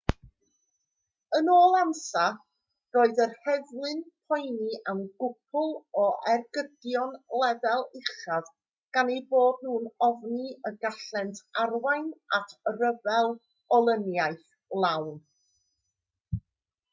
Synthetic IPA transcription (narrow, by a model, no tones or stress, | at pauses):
ənoːlˠamsa | roːɨðərhɛvwɨnpʰɔjniʔamnɡʊpʰʊlˠɔʔɛrɡədjɔnlˠɛðɛlˠɪχað | ɡ̥aneboːdnuːnɔvniəɡaɬɛntʰarwajnatʰrəvɛlˠ | ɔlˠənjaɨθ | lˠawn